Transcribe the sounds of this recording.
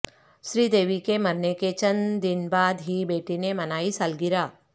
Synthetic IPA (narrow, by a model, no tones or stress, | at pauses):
ʃɾiːd̪eːʋikemɐɾneket͡ʃɐnd̪ɪnbaːd̪ɦibeːʈinemɐnaːisəlɡɪɾaː